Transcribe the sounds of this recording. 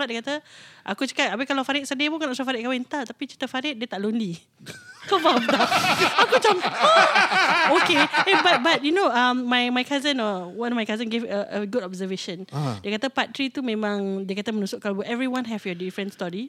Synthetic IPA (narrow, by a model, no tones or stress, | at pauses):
aʔ̚diəkat̪əʔakut͡ʃə̥katapekalawfaɾɪt̪̚sədiəpũŋkanãʔsafaɾɪt̚kawɪnt̪at̪apit͡ʃit̪əfaɾɪt̪̚diət̪aʔlonli | kəbald̪aakud͡ʒamə | okeebat̪̚bat̚junoamːãjmajkazə̃nɔwanɔmajkazə̃nɡevʔəəɡudɔb̚zəveʃə̃ndiəkat̪əpat̪ɾit̪umẽmãŋdiəkat̪əmənusʊʔkalbuʔɛvɾiwãnɦɛfjɔdifɾə̃nst̪ɔɹi